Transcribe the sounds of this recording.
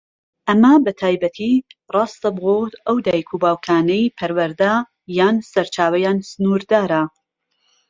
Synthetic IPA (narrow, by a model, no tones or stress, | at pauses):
ʔɐmɐbɐt̪ʰaːjbɐt̪ʰirˤɑːst̪ɐbɨɣot̪ʔɐwd̪aːjikʰuːbaːwkʰaːnɛjpʰɐɾwɐɾd̪a | jaːnsɐɾt͡ʃʰaːwɐjaːnsɨnuːɾd̪aːɾɐ